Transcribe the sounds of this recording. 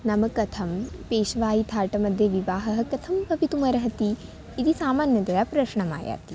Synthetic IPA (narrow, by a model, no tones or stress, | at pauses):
nɐmɐkɐt̪ʰɐmpeːʃɐʋaːjit̪ʰaːɾʈɐmɐd̪ʱjɐʋiʋaːɦɐɦɐ̆kɐt̪ʰɐmbʱɐʋit̪umɐɾɐɦɐt̪iː | d̪isaːmaːnjɐt̪ɐjaːpɾɐʃɳɐma̰ːja̰ːt̪i